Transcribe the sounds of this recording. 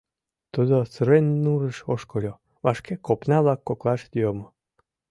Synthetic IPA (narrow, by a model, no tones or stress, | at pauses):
t̪ud̪osəɾenʲnuɾəʃoʃkolʲo | βaʃkekopnɑβlɑkːoklɑʃt̪jomo